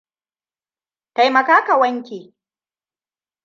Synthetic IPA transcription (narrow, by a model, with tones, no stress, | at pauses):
ta˨jmɐ˨kaː˦ka˨wɐ˦ŋkʲeː˨